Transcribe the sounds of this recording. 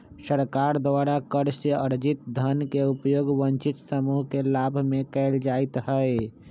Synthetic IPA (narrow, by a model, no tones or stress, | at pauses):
səɾkaːɾd̪waːɾakəɾseəɾd͡ʒɪt̪̚d̪ʱənkeʊpjoːɡʋənt͡ʃɪt̪səmuːɦkelaːbʱmẽkɛːld͡ʒaːɪt̪ɦɛe